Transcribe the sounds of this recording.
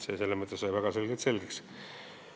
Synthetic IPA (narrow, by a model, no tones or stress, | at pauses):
seselːemɤt̪ˑːesojvæɡ̥ɑsulɡet̪se̞lɡeks